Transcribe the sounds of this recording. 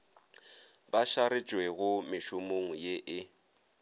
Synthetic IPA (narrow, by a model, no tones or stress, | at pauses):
baʃaɾɪt͡ʃʼweɣʊmɪʃʊmoŋ̩jeʔɪ